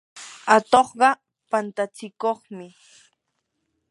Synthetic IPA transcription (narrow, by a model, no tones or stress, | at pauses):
at̪oχɢɑ | pant̪at͡sɪkoχmɪ